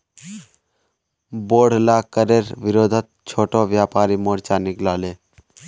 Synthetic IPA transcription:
boːɽ̤laːkəɾeɾʋiɾod̪ʱət̪̚t͡ʃʰoːʈoʋjaːpaːɾimoɾt͡ʃaniklale

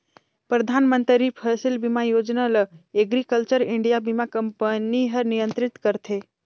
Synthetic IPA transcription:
pɾəd̪ʱanmə̃nt̪ɾipʰəsilbimajod͡ʒnaləeɡɾikəlt͡ʃəɾɪɳɖijabimakəmpəniɦəɾnijə̃nt̪ɾɪt̪kəɾt̪ʰe

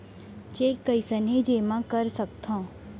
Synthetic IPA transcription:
t͡ʃeːkːəisəned͡ʒeːmãkəɾsəkt̪ʰõː

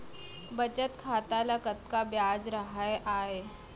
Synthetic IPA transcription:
bət͡ʃət̪kʰaːt̪alɐkət̪kabjaːd͡ʒɾɐɦaeʔaːeː

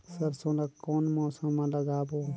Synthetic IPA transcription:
səɾsõːlakɔːnmɔːsəmãləɡaːbo

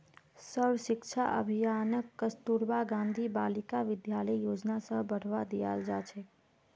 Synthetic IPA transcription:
səɾʋəʃɪkʃʰa̰ʔə̰bʱijanəkːəst̪uɾʋaɡãːnd̪ʱibalɪkaʋɪd̪jaləijoːd͡ʒnasəbəɽ̤ʋad̪ija̰ld͡ʒat͡ʃʰe

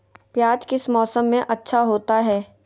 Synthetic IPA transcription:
pjaːd͡ʒkɪsmɔːsəmːẽʔɐtːʃʰaɦoːt̪aɦɛː

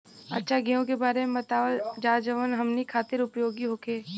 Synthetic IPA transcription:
ɐ̰tːʃʰaɡijõkebaːɾemẽbɐt̪aːʋəd͡ʒaːd͡ʒəʋənɦɐmnikʰaːt̪ɪɾʊpjoːɡiɦoːkʰeː

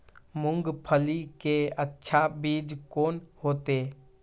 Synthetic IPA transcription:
mʊŋɡpʰəlikeətːʃʰabiːd͡ʒkoːnhoːt̪eː

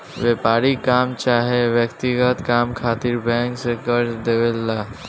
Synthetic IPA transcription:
ʋepaːɾikaːmt͡ʃaːɦeʋjəkt̪ɪɡət̪kaːmkʰaːt̪ɪɾbɛ̃ːŋksekəɾd̪eʋeːlːaː

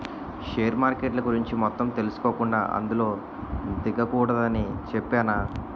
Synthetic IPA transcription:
ʂeːɐɾmaːɾkeʈlɐɡuɾiɲt͡ʃimɔt̪ːɐmt̪e̞lusu̥koːkuɳɖa̰ːʔɐ̰nd̪ulo̞ː | d̪iɡɐkuːɽɐd̪ɐnit͡ʃɛpːaːna

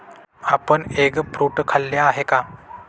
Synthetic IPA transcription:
apəɳeɡpɾuʈkʰalːjaːɦeka

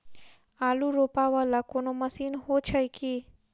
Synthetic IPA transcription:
aːluɾoːpaʋalakonoməsiːnɦot͡ʃʰəjki

